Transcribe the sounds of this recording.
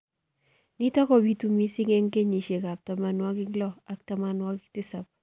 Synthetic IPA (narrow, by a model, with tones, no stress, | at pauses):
ni˦tɔ˦kɔ˨bi˦tu˨mi˦si˦ŋɛ˦ŋke˦ɲi˨ʃe˨ka˨p̚ta˨ma˨nwa˦kɪ˦klɔ˦a˨k̚tama˨nwa˦kɪ˦k̚tɪ˦sa˨p̚